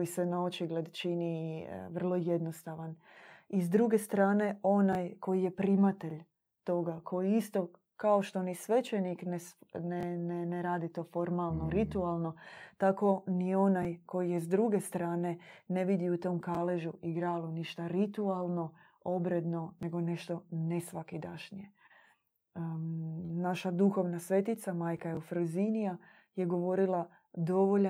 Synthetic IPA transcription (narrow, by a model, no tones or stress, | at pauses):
jisenaot͡ʃiɡle̞d̪t͡ʃiniʋr̩lˠo̞jed̪no̞st̪aʋan | izd̪ɾuɡe̞st̪ɾaːne̞o̞najko̞jije̞pɾimat̪e̞ʎ | t̪o̞ɡakʰo̞jiist̪o̞ | kaoʃt̪onisʋe̞t͡ʃeniknesneneneɾaːd̪it̪o̞fo̞ɾmalˠnoɾit̪ualˠno̞t̪ako̞nio̞najko̞jijezd̪ɾuɡe̞st̪ɾaːne̞neʋid̪iut̪o̞ːmkaleʒuiɡɾaːluniʃt̪aɾit̪ualˠno̞ | o̞bɾe̞d̪no̞ne̞ɡo̞ne̞ʃt̪o̞nesʋakid̪aʃnije̞ | naʃad̪uxo̞ʋnasʋe̞t̪it̪samaːjkajeufɾuzinija | je̞ɡo̞ʋo̞ɾila | d̪o̞ʋoʎ